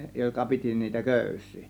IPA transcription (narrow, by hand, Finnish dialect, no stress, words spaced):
jokɑ piti niːtæ køˑysˑiː